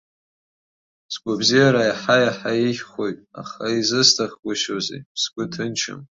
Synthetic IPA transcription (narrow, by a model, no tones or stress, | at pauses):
sɡʷabzijaɾajaħajaħaiʃʲχojtʼa̰χaizɨstʰaχɡʷaʃozḛsɡʷʊtʰɨnt͡ʃʰɨ̰m